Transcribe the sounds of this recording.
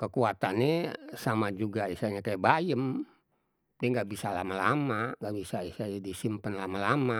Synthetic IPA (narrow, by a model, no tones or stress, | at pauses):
kəkuat̪anesamad͡ʒuɡaisaɲakajabajəm | dɛŋɡaʔbisalamala̰maŋɡaʔbisaisad͡ʒadisimpənlamalama